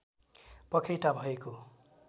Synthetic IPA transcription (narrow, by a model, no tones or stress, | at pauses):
pʌkʰejʈabʱʌeko